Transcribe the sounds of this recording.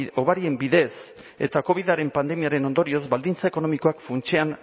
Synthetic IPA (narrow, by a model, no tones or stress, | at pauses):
o̞βaɾie̞mbiðe̞s | e̞̰t̪ako̞β̞iðaɾe̞mpand̪e̞miaɾeno̞nd̪o̞ɾio̞zbald̪int͡saeko̞no̞miko̞akfunt͡ʃean